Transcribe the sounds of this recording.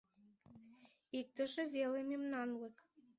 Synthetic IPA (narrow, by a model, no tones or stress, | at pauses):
ik̚t̪ə̆ʒĕvelememnɑnlek